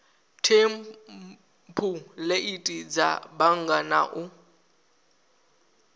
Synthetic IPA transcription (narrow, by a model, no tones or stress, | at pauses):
tʰem | pʰuleʔitʼid͡za̰baŋ̩ɡana̰ʔʊ